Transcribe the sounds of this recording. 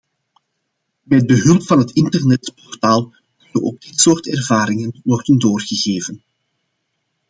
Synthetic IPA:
mɛd̚bəɦɵlˠpfɑnɦətɪntərnɛtpɔrtaːlˠ | kɵnəʔo̰ɡ̚dɪtsoːrtɛrvaːɾɪŋənwɔrdəndoːrɣəɣeːvən

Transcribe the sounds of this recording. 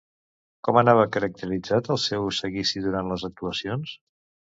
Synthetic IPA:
kɔmənaβ̞əkəɾək̚t̪əɾid͡zat̪əlˠsɛwsəɣisiðuɾant̪ləzək̚t̪uəsions

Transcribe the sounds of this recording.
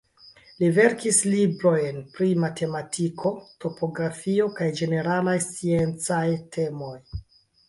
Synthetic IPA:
live̞ɾkislibɾo̞jnpɾimatʰe̞matʰikʰo̞to̞po̞ɡɾafio̞kajd͡ʒe̞ne̞ɾalajst͡sie̞nt͡sajtʰe̞mo̞j

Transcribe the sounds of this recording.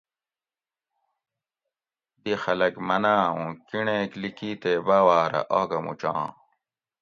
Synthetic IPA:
d̪ixɐlɐkmɐnaːũkiɳẽːklikiːt̪eːbaːwaːɾɐ̰ʔoːɡɐmṵt͡ɕã̰ː

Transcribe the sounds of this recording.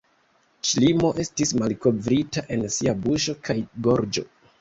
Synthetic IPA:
ʃlimo̞ʔe̞stismalko̞vɾitaʔe̞nsiabuʃo̞kajɡo̞ɾd͡ʒo̞̰

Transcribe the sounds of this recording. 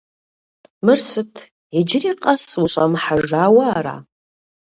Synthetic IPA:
mɨrsɨtʰ | ad͡ʒɪriqʼaswuɕʷʼamħaʐaːwaːɾa̰

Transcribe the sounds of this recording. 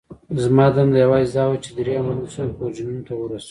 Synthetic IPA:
zmɑd̪amd̪əjawɑzid̪ɑwat͡ʃed̪ɾeamalusanpod͡ʒinunot̪awəɾas

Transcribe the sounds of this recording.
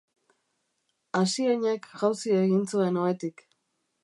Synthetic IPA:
asieɲekʝawsie̞ɣint͡sue̞no̞e̞t̪ik

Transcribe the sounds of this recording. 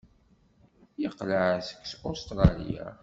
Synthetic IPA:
jəqːləʕsə̥kːsost̪ɾˤɑlḭja̰

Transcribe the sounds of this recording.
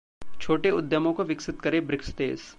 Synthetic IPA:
t͡ʃʰoːʈeʊd̪jəmõkoʋɪksɪt̪kɐɾebɾɪkst̪eːs

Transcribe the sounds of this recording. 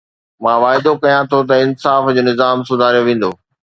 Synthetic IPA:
mãːʋaːɪd̪okɐjãt̪ʰot̪̬ɐɪnsaːfd͡ʑoːnɪzaːmsʊd̪ʱaːɾijoʋẽːn̆d̪oː

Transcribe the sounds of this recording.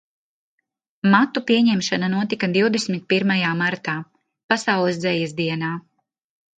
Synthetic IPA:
mat̪upiɛɲɛmʃananuɔt̪ikad̪iwd̪esmit̪̚piɾmajaːmaɾt̪aː | pasawlˠɛsd̪zɛjɛsd̪iɛnaː

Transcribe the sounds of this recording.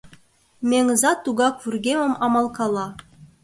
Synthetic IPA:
mʲeŋzɑt̪ːuɡɑkvurɡʲemə̆mɑmɑlˠkɑlˠɑ

